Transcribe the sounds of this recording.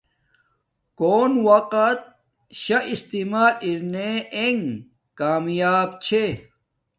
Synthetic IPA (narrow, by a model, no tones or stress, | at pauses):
koːnwɐqɐt̪̚ | ɕɐʔist̪imaːʔiɾneeŋ | kaːmjaːbt͡ɕʰe